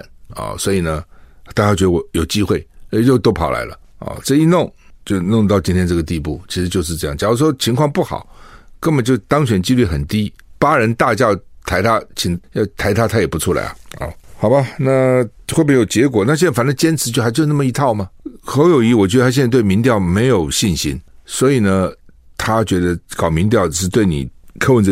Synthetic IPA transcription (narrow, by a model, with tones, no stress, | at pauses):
nɐ̰˨˩swɔ˧˥i˨˩nə˦˧t̪a˥˩t͡ɕja˥˩t͡ɕɥ̪ə˧wɔ˧˥jo˨˩ʊt͡ɕi˥xwe˥˩ɪ˥˩jo˥˧ʊt̪o˥ʊpʰɑ˨˩ʊla̰˧˥ɪlə̰˧ɐ̰˧ʈ͡ʂɤ˥˧i˥˧nʊ˥˩ŋt͡ɕjo˥˧ʊnʊ˥˧ŋt̪ɑ˥˩ʊt͡ɕi˥nt̪ʰjɛ˥nʈ͡ʂɤ˥˩ɡə˩t̪̬i˥˧pu˥˩t͡ɕʰi˧˥ʂɻ̩˧˥t͡ɕjo˥˧ʂɻ̩˥˧ʈ͡ʂɤ˥˧jɑ˥˩ŋt͡ɕjɑ˨˩ʊɔ˧˥ʂ̬wɔ˥t͡ɕʰi˧˥ŋkʰwɑ˥˧ŋpu˥˩xɑ̰˨˩˦ʊkə˥nbə˨˩nt͡ɕjo˥˧ʊt̪ɑ˥ŋɕɥɛ˨˩nt͡ɕi˥ly˥˩xə˨˩nt̪i˥ | pa˥ɻə˧˥nt̪a˥˧t͡ɕja˥˩t̪ʰa˧˥ɪt̪ʰa˥t͡ɕʰi˨˩ŋɑ˥˩t̪ʰa˧˥ɪt̪ʰa˥t̪ʰa˥jɛ˨˩pu˧˥ʈ͡ʂʰu˥la̰˧˥ɪɐ̰˨˩ɐ̰˥˧˩xɑ˨˩ʊba˦na˥˩xwe˥˩p̬jɛ˧˥jo˨˩ʊt͡ɕjɛ˧˥k̬wɔ˨˩˦na˥˩ɕɛ˥˩n˥˩fa˧˥nə˧t͡ɕjɛ˥nt͡sʰɻ̩˧˥t͡ɕo˥˧xa˧˥t͡ɕo˥˧˥na˥˩mə˩i˧˥t̪ʰɑ˥˩ʊmɐ˩xə˧˥ʊjo˨˩ʊi˧˥wɔ˨˩t͡ɕɥɛ˧˥ə˧˥ɕɛ˥˧˥t̪we˥˩ɪmi˧˥ŋt̪jɑ˥˩ʊme˧˥ɪjo˨˩ʊɕi˥˩nɕḭ˥nswɔ˧˥i˨˩nə˦ | t̪ʰa˥t͡ɕɥɛ˧˥d̪ə˧kɑ˨˩ʊmi˧˥ŋt̪jɑ˥˩ʊ˥ʂɻ̩˥˧t̪we˥˩ɪnḭ˨˩kʰɤ˥˧wə˥˧nʈ͡ʂ